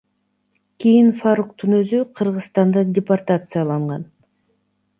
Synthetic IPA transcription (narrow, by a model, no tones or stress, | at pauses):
kʲijinfarukt̪unø̞zyqʰɯɾʁɯsst̪ɑnd̪ɑdʲɪpart̪at̪sɨjalˠɑɴʁɑn